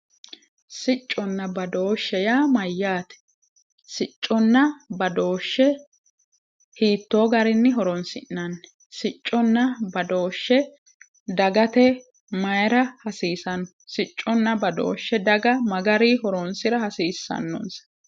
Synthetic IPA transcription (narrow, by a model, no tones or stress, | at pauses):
sɪt͡ʃʼːɔnːɐbɐd̪o̞ːʃːɛjaːmɐjːaːt̪ɛ̥ | sɪt͡ʃʼːɔnːɐbɐd̪o̞ːʃːɛ | hiːt̪ːoːɡɐɾɪnːɪɦɔɾɔnsɪnːɐnːɛ | sɪt͡ʃʼːɔnːɐbɐd̪o̞ːʃːɛ | d̪ɐɡɐt̪ɛ | mɐjɛɾɐhɐsiːsɐnːɔ | sɪt͡ʃʼːɔnːɐbɐd̪o̰ːʃːɛd̪ɐɡɐmɐɡɐɾihɔɾɔnsɪɾɐhɐsiːsːɐ̰nːɔ̰ns